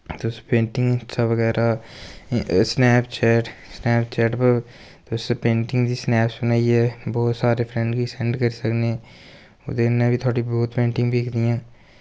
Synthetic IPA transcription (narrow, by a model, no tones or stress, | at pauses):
t̪oːspẽːɳʈɪ̃ŋɡsaʋəɡɛːɾʔa | snɛːpt͡ʃʰɛːʈsnɛːpt͡ʃɛːʈpə | t̪oːsepẽːɳʈɪ̃ŋɡd̪isnɛːpsʊnaːiɦɛːbɔːt̪saːɾepʰɾɛ̃ɳɖkisɛ̃ɳɖkəɾisəkneɛ̃ | o̰d̪enːẽbʱit̪ʰoːɽibɔːt̪pẽːɳʈɪ̃ŋɡbʱeːkʰd̪ijãː